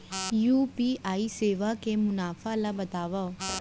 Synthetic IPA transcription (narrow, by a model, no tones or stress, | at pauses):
juːpiːaːiseːʋakemʊnaːfalabɐt̪aːʋa